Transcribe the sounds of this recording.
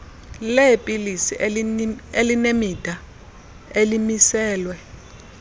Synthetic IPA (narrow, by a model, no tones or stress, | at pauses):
lɛpʼilisi | elinemid̥ʱa | elimisɛːlwɛ